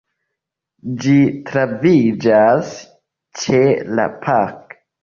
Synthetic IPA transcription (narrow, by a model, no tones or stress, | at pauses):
d͡ʒitɾavid͡ʒas | t͡ʃe̞la̰pʰak